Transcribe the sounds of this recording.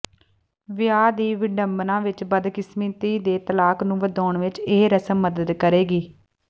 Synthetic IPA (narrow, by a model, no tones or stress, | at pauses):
ʋɪjaːd̪iːʋɪɖəmbnãːʋɪt͡ʃbəd̪kɪsmĩːt̪iːd̪eːt̪əlaːknũːʋəd̪aːɳʋɪt͡ʃeːɾəsəmːəd̪əd̪kəɾeːɡiː